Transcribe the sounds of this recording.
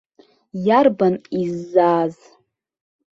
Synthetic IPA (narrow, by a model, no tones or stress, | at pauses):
jarbanizːaːz